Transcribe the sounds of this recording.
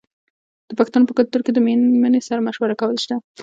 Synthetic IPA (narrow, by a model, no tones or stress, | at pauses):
d̪̥əpakɪst̪anopəkalt̪uɾked̪əmemənesaɾmaʃwaɾakawəlʃd̪a